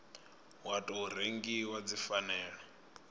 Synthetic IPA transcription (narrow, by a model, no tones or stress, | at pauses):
watʼɔɦuɾeŋɡiwad͡zifanɛːɺɔ